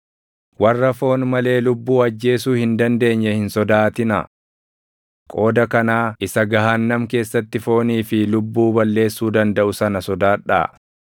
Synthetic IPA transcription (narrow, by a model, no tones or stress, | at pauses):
wɐrːɐfo̞ːnmɐle̞ːlʊbːuːɐd͡ʒːe̞ːsuːhɪnd̪ɐnd̪e̞ːɲːɛhɪnsɔd̪aːt̪ɪnɐ̰ | kʼo̞ːd̪ɐkɐnaːɪsɐɡɐɦaːnːɐmke̞ːsːɐt̪ːɪfo̞ːniːfɪlʊbːuːbɐlːe̞ːsːuːd̪ɐnd̪ɐʔʊsɐnɐsɔd̪aːᶑa̰ː